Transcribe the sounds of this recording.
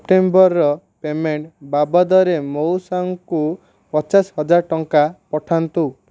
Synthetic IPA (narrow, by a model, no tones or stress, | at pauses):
pʈembɔɾːɔ | pemeɳʈbabɔd̪ɔɾemowsaŋku | pɔt͡ʃashɔd͡ʒaɾʈɔŋkapɔʈʰant̪u